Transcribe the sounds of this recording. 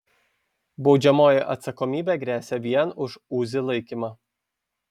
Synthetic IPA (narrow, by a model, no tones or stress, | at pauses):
bɒʊd͡ʒʲɛmoːjɛʔɐ̰t̪sɐkɔmʲiːbʲeɡɾʲæːsʲɛʋʲiɛnʊʃuːzʲɪlˠɐɪkʲimɑ